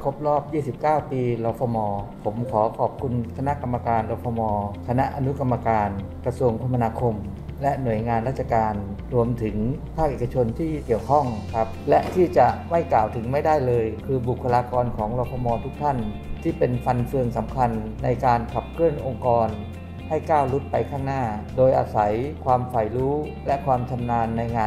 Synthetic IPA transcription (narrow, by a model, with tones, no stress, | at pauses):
kʰo˦˥p̚ɾɔː˥˩p̚jiː˥˩si˨˩p̚kaː˥˩wpiː˧lɔː˧pʰɔː˧mɔː˧pʰo˩˦mkʰɔː˩˦kʰɔː˨˩p̚kʰu˧nkʰa˧na˦˥ʔka˧mːa˧kaː˧nɾɔː˧pʰɔː˧mɔː˧kʰa˧na˦˥ʔa˧nu˦˥ka˧mːa˧kaː˧n | kɾa˧su˧əŋpʰo˧ma˧naː˧kʰo˧m | lɛ˦˥nu˨˩əjŋaː˧nɾaː˥˩t̪̚t͡ɕa˧˩kaː˧n | ɾu˧əmt̪ʰɯ˩˦ŋpʰaː˥˩k̚ʔeː˨˩ka˧t͡ɕʰo˧nt̪ʰiː˥˩ki˨˩əwkʰɔ˥˩ŋkʰa˦˥p̚lɛ˦˥ʔt̪ʰiː˥˩t͡ɕa˨˩ma˥˩jklaː˨˩wt̪ʰɯ˩˦ŋma˥˩jda˥˩jlɤː˧jkʰɯː˧bu˨˩kʰːa˧laː˧kɔː˧nkʰɔː˩˦ŋlɔː˧p̪ʰɔː˧mɔː˧t̪ʰu˦˥k̚t̪ʰa˥˩nt̪ʰiː˥˩pe˧nfa˧nfɯ˧əŋsa˩˦mkʰa˧nːa˧jkaː˧nkʰa˨˩p̚kʰɯ˥˩ənʔo˧ŋkɔː˧n | ha˥˩jkaː˥˩wlu˦˥t̪̚pa˧jkʰaː˥˩ŋnaː˥˩doː˧jʔa̰ː˧sa˩˦jkʰwaː˧mfa˨˩jɾuː˦˥ | lɛ˦˥kʰwaː˧mt͡ɕʰa˧mnaː˧nːa˧jŋaː˧